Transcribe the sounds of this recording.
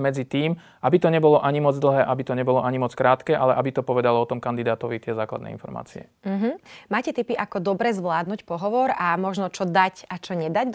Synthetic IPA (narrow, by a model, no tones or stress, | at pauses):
mɛd͡zit̪iːm | ʔabit̪ɔɲɛbɔlɔʔaɲimɔd͡zd̪l̩ɦɛːʔabit̪ɔɲɛbɔlɔʔaɲimɔt͡skɾaːt̪kɛːʔalɛʔabit̪ɔpɔʋɛd̪alɔɔt̪ɔmkand̪id̪aːt̪ɔʋit̪ɪɛzaːkla̰d̪nɛ̰ḭnfɔ̰ɾma̰ːt͡siɛ̰ | m̩ɦ̩maːcɛt̪ipiʔakɔd̪ɔbɾɛːzʋlaːd̪nuːcpɔɦɔʋɔɾamɔʒnɔt͡ʃɔd̪acat͡ʃɔɲɛd̪aɟd̪